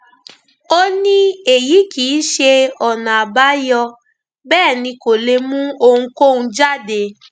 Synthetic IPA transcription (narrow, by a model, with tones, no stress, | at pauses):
o˦nĩ˦e˨ji˨˦kiː˨˦ʃe˧ɔ˨nã˨a˨ba˨˦jɔ˧ | bɛː˦˨nĩ˧ko˨le˧mũ˦o˧ŋũ˧ko˦˨ũ˧d͡ʒa˦˨de˨˧